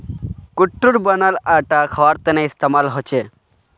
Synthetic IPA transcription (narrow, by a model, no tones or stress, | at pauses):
kuʈːuɾbanalaʈakʰɔwaɾt̪eneist̪emalɦot͡ɕʰe